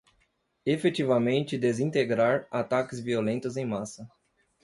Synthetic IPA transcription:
efet͡ʃivɐmẽnt͡ʃɪd̪ezĩnt̪eɡɾaɾat̪akɪzviolẽnt̪ʊzẽj̃masɐ

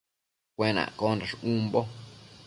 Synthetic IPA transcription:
kʷẽnã̰kondaʂũmbo

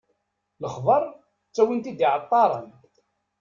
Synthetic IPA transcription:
ləχðˤəɾˤ | t͡sːæwint̪id̪iʕət̪ˤːɑɾˤə̰n

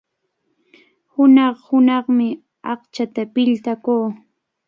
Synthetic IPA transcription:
hʊnɑχhʊnɑχmɪ | ɑqt͡ʃat̪apɪʎt̪akuː

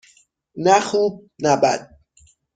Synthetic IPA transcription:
næxuːb̚næbæ̰d̪̥̚

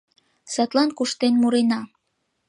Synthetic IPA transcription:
sɑt̪lɑnkuʃt̪enmuɾenɑ

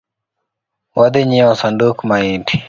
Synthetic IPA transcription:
wad̪eɲiwasandukmaiʈi̥

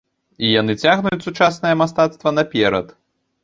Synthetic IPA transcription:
ijanɨt͡sʲaɣnujut͡sʲsut͡ʂasnɐjɐmast̪at̪st̪vɐnapʲɛɾɐ̰t̪

